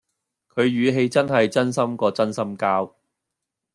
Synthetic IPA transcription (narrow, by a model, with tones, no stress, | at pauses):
kʰɵ˨˧ɥɥyː˨˧ɦe˧jt͡sɐ˥nɦɐ˨jt͡sɐ˥nsɐ˥mkɔː˧t͡sɐ˥nsɐ˥mkaː˥w